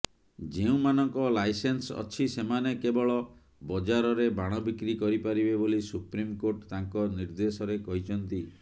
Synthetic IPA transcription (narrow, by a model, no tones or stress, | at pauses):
d͡ʒeũmanɔŋkɔlajsensɔ̰t͡ʃʰisemanekebɔɭɔ | bɔd͡ʒaɾɔɾebaɽ̃ɔbikɾikɔɾipaɾibebolisupɾimkoɾʈt̪aŋkɔniɾd̪esɔɾekɔɦit͡ʃʰɔnt̪i